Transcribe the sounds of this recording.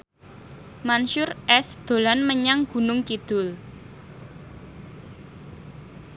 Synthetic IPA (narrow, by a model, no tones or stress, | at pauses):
manʃʊrʔɛsd̪̥o̤lanməɲaŋɡ̥ṳnʊŋkid̪̥ʊ̤l